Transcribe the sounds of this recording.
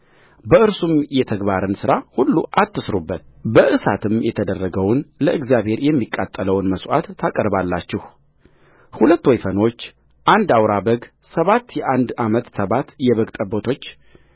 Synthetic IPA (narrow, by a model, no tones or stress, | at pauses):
bəɨɾsumjɛt̪ʰəɡbaɾɨnsɨɾahulːuʔat̪ːɨsɾubːət̪̚bəʔɨsa̰t̪ʰɨmjɛt̪ʰəd̪ərːəɡəwnləʔɨɡzjaβhe̞ɾjɛmːikʼːat̪ʼːələwnməswʔa̰t̪ʰːakʼəɾbalːat͡ʃːɪh | hulət̪ːwɔjfəno̞t͡ʃː | ʔand̪awɾabəɡ | səβat̪ːjɛʔand̪amət̪səβat̪jɛβəɡt̪ʼəbo̞t̪ʰo̞t͡ʃː